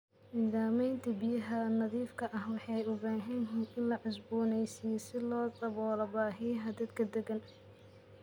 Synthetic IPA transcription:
niːðaːmɛjnt̪ʰɐbɪjɐɦɐnɐðiːfkʰɐʔɐhwɑħɑjʊbaːɦɐnɦɪnɪnlɐʕʊsbuːnɛjsɪjɛsɪlɔːd̪ʼɐβɔːlɐbaːɦɪjɐɦɐd̪ɐd̪kʰɐd̪ɛɡɐn

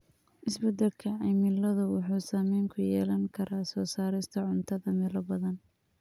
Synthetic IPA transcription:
ʔɪsbɛd̪ɐlkʰɐʕɑmɪlɐðʊwʊħuːsaːmɛjŋkʰʊjɛːlɐŋkʰɐɾʔaːsɔːsaːɾɪst̪ʰɐʕʊnt̪ʰɐðɐmɛlɐbɐðɐn

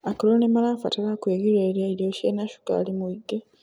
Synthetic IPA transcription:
akolonemalafatalakweɡiɾeːɾjaiɾjoʃenaʃu̥ka̰ːlimuiɡːe

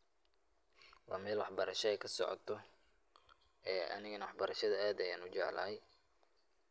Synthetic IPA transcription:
wɑ̰ːmɛːlwɑħbɐɾɐʃɐɛjkʰɐsɔ̰ʕɔ̰t̪ʰɔ | ɛːʔɐ̰nɪɣɐnɐwɑħbɐɾɐʃɐðɐaːd̪ɐjaːnʊt͡ʃɛʕlɐ̰ːɛj

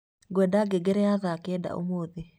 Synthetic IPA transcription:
ɡwɛdaɡeɡɛɾɛaðakɛda̰o̰moːðe

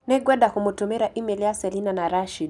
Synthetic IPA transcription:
nɛɡwɛɗakumutumɛɾaʔimɛliasɛlinanaɾaʃid

